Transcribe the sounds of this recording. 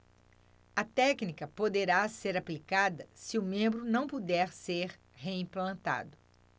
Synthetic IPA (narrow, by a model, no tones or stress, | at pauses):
ɐt̪ɛknikɐpod̪eɾaseɾaplikad̪ɐsɪʊmẽmbɾʊnɐ̃w̃pud̪ɛɾseɾ | ɦeĩplɐ̃nt̪a̰d̪ʊ